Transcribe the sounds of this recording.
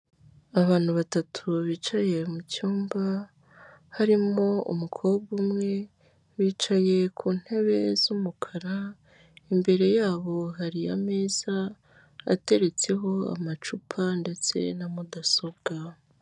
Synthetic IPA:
aβaːn̥huβatatʰuβiːt͡ʃaje̞mucuːmba | haɾimo̞ṵmukʰo̞bɡumŋe̞ | βiːt͡ʃaje̞kʰuːn̥he̞βe̞zumukʰaɾa | imbe̞ɾe̞jaːβo̞ɦaɾija̰meːz̥a | a̰te̞ɾe̞t͡se̞ɦo̞a̰mat͡ʃupʰande̞t͡se̞̰namudasobɡ̥a

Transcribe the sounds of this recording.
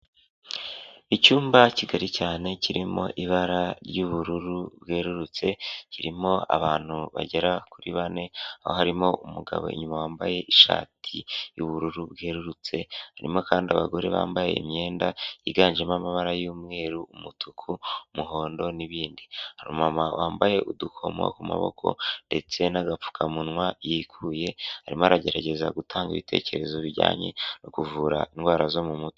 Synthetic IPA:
icuːmbaciɡaɾicaːne̞ciɾimo̞̰ʔiβaɾaɾjuβuɾuɾubɡeːɾuɾut͡se̞ciɾimo̞a̰βaːn̥huβa̰ɟeɾakuɾiβane̞a̰hohaɾimo̞ʔumuɡa̰βo̰ḭɲumawaːmbaje̞ʔiʃa̰ːtʰijuβuɾuɾubɡe̞ːɾuɾut͡se̞haɾḭmo̞kaːndiaβaɡo̞ɾe̞βa̰ːmbajeimɲe̞ːndajiɡaːnʒemamaβaɾajuːmŋe̞ːɾuumutʰukʰumuɦo̞ːndo̞niβiːndihaɾumamawʔaːmbaje̞ʔudukʰo̞mo̰kuma̰βo̞̰kʰo̞̰nde̞t͡se̞naɡap͡fu̥kʰamunwajikʰuje̞haɾimoaɾaɟe̞ɾaɟe̞zaɡutʰaːŋɡiβitʰe̞̰ːce̞ɾe̞zo̞βiɾɟa̰ːɲe̞̰nokuvuɾa̰inɡwaːɾazo̞mumuto̥

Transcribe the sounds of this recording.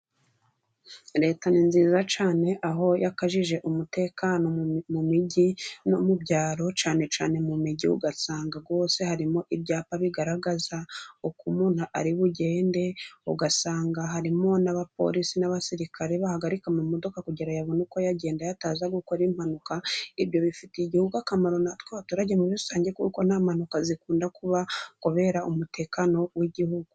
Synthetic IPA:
ɾe̞ːtaninziːzat͡ʃaːne̞ʔaɦo̞jakaʒiʒe̞ʔumute̞kano̞mumiɟinomubɟaːɾo̞t͡ʃaːne̞t͡ʃaːne̞mumiɟiṵɡasaːŋɡaɡo̞ːse̞haɾimo̞ʔibjaːpaβiɡaɾaɡazaokumuːn̥huʔa̰ɾiβuɟe̞ːnde̞ṵɡasaːŋɡaɦaɾimo̞naβap̚o̞̰ɾisinaβasiɾikʰaɾeβahaɡaɾikamumo̞do̞kakuɟiɾajaβonuko̞jaɟe̞ːndajataːzaɡukoɾimhanukaiβjo̞βifiteiɟihuɡuakamaɾo̞natweβatuɾaɟemuβi̥saːɲɟekṵko̞namanukazikuːndakuβakuβe̞ɾaʔumutʰe̞ːkano̞wiɟihuɡu

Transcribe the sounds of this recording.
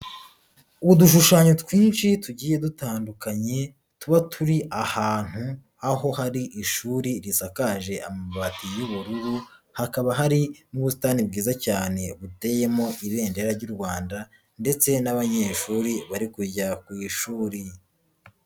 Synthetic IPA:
uβuduʃ̬uʃaɲo̞twiːnʃituɟiːje̞dutaːndukaɲe̞ | tuβatʰuɾiʔahaːn̥hu | aɦo̞haɾiʔiʃuːɾiɾisakaːʒe̞ʔamaβatijuβuɾuɾuhakaβaɦaɾinuβus̬i̥taːnib̚ɡiːzacaːne̞βute̞je̞mo̞ʔiβe̞ːnde̞ɾaɾɟuɾɡwaːnda | nde̞t͡se̞naβaɲe̞ːʃuːɾiβaɾikujakwiːʃuːɾi

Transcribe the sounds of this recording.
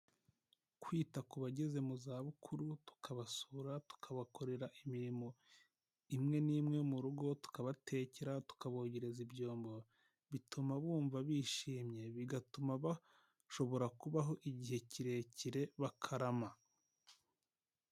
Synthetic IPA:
kwiːtakuβaɟeze̞muzaːβukʰuɾutu̥kʰaβasuɾatu̥kʰaβako̞ɾe̞ɾaʔimiɾimo̞ | imŋe̞niːmŋe̞muɾuɡo̞tu̥kaβatʰe̞ːceɾatu̥kaβoːɟeɾe̞zibɟoːmbo | βitʰumaβuːɱvaβiːʃiːmɲe̞βiɡatumaβa | ʃo̞βo̞ɾakuβaɦo̞ʔiɟihe̞ciɾe̞ciɾe̞βakʰaɾama

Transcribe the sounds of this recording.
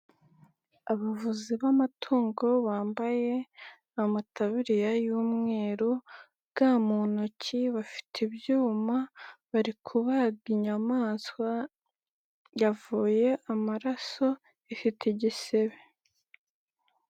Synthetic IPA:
aβavuziβamatʰuːŋɡo̞βaːmbaje̞ | amatʰaβiɾijajuːmŋe̞ːɾo | ɡ̥amuːnocʰiβafi̥tʰebjuːmaβaɾikʰuβaɡiɲamaːskwa | javuːje̞ʔamaɾaso̞ | ifitiɟise̞βe

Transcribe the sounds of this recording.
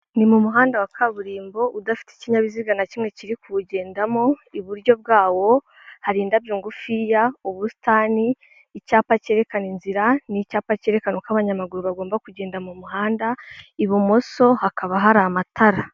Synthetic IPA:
nimumuɦaːndawakʰaβuɾiːmbo̞ʔudafi̥te̥ciɲaβiziɡanacimŋe̞ciɾikuuɟe̞ːndamo̞iβuɾɟo̞b̚ɡaːwo̞ | haɾiːndabjuːŋɡufijaoβusi̥taːniː | caːpace̞ɾe̞kaninziɾanicaːpace̞ːɾe̞kanukaβaɲamaɡuɾuβaɡo̞ːmbakuɟeːndamumuɦaːndaiβomo̞so̞hakʰaβaɦaɾamatʰaɾa

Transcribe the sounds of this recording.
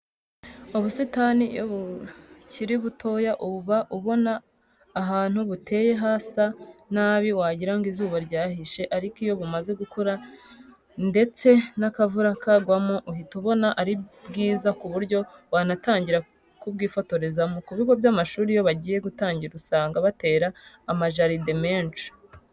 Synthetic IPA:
oβusitanijo̰βuciɾiβutʰo̞jaʔuβaʔuβo̞naː | ɦaːn̥huβute̞ːje̞ɦaːsanaːβiwaɟiɾaŋɡizuːβaɾɟaːɦiʃe̞ʔaɾikijo̞βumaze̞ɡukʰoɾa | nde̞t͡se̞nakavuɾakaɡwamoʔuhituβo̞naʔaɾibɡiːzakuβuɾɟo̞wanataːɲɟiɾa | kubɡiːfo̞to̞ɾe̞zamukuβiɡo̞vjamaʃuːɾijo̞βaɟiːje̞ɡutaːɲɟiɾusaːŋɡaβate̞ːɾaː | maʒaɾidemeːnt͡ʃu̥

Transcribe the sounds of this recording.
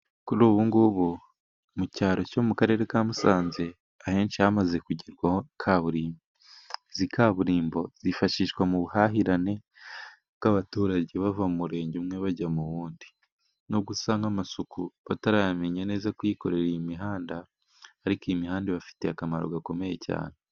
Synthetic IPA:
kuɾuːβuŋɡuβo | mucaːɾo̞co̞mukaɾe̞ɾe̞kamusaːnze̞ | ahe̞ːnt͡ʃiamaze̞kuɟiɾɡwahokʰaβuɾiːmo | zikaβuɾiːmbo̞z̥ifaʃiːʃɡwamuβuhaɦiɾane̞ | bɡ̥aβatuːɾaɟeβavamumuɾe̞ːɲɟumŋe̞βaɟamuβuːndi | noɡusaːŋɡamasukuβataɾajameɲane̞ːzakwiko̞ɾe̞ɾiimiɦaːndaː | ɾikoimihaːndiβafi̥te̞akamaɾo̰ɡako̞me̞je̞ca̰ːne

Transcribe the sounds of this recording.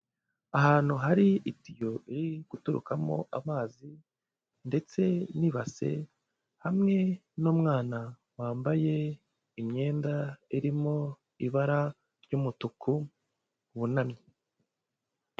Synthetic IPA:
aɦaːn̥huɦaɾiitijoʔiɾiɡ̥utuɾṵkamo̞̰ʔamaːzi | nde̞t͡se̞niβase̞̰ | hamŋe̞nuːmŋaːna | waːmbaje̞ | imɲe̞ːndaiɾimo̞ | iβaɾa | ɾɟuːmutukʰu | βunamɲi

